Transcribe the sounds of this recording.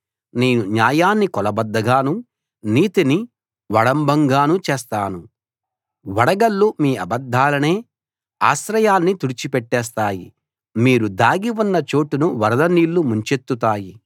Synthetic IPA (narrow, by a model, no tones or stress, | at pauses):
neːnuɲaːjaːnːikɔlɐbɐd̪ːɐɡaːnu | niːt̪ini | ʋɐɽɐmbʱɐŋɡaːnut͡ʃeːst̪aːnu | ʋɐɽɐɡɐlːumiːɐbɐd̪ʱːaːlɐne̞ː | aːʃɾɐjaːnːit̪uɽit͡ʃipɛʈːɛːs̬t̪aːjḭ | miːɾud̪aːɡiwunːɐt͡ʃo̞ːʈunuʋɐɾɐd̪ɐniːlːumuɲt͡ʃe̞t̪ːut̪aːji